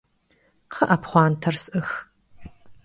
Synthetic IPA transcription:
qʰəʔɐpχʷɑːntʰɐrsʔɨx

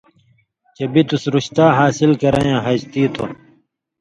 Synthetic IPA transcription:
t͡ɕebit̪usɾuɕt̪aːɦaːsilkɐɾɐ̃jãɦɐd͡ʑt̪iːt̪ʰo

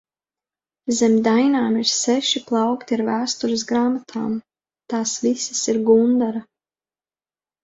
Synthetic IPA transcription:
zɛmd̪ajnaːmiɾsɛʃiplˠɑwkt̪iaɾvæːst̪uɾɪs̬ɡɾaːmat̪ʰaːm | t̪aːsvisḁsiɾɡund̪aɾa

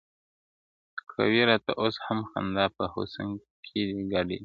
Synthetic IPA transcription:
kʰa̰wiɾɑt̪a̰ʔoshamxa̰nd̪ɑpəho̰saŋ | kʰid̪iɡaɖḭ

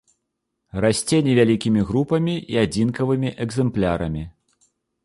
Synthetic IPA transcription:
rasʲt͡sʲenʲɛvʲalʲikʲimʲiɣɾupɐmʲiiad͡zʲinkɐvɨmʲiʔɛɡzɛmplʲaɾɐmʲi

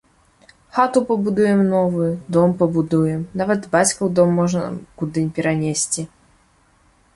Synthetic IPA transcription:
xat̪upɐbud̪ujɛmnɔvɨd̪ɔmpɐbud̪ujɛmnavɐd̪bat͡sʲkɐwd̪ɔmːɔʐnɐ̰kud̪ɨnʲpʲɛɾanʲesʲt͡sʲi

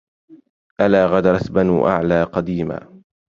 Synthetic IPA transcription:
ʔalaːɣad̪ɾˤɑsbanuːʔa̰ʕlaːqɑd̪iːma̰ː

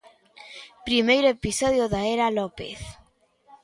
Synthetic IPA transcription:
pɾimejɾoepisɔðjoðaeɾalopḛθ

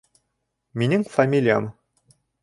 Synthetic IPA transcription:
mʲinʲɘŋfamʲilʲijam

